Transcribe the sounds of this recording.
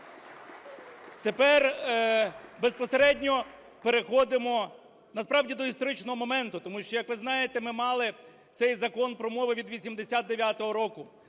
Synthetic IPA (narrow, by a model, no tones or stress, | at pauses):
t̪epɛr | bespɔseɾɛdʲnʲɔ | peɾexɔd̪ɪmɔ | nɐspɾɑwdʲid̪ɔist̪ɔɾɪt͡ʃnɔɦɔmɔmɛnt̪ʊt̪ɔmuʃt͡ʃɔjɐkʋɪznɑjet̪emɪmɑlˠɪ | t̪sɛjzɐkɔnpɾɔmɔʋɪʋʲid̪ʋʲisʲimd̪esʲad̪̚d̪eʋʲjat̪ɔɦɔɾɔkʊ